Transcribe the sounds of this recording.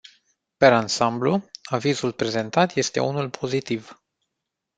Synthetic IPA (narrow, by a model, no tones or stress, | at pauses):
pe̞ɾansambluavizulpɾe̞ze̞nt̪at̪je̞st̪e̞̰unulpʰo̞zit̪iv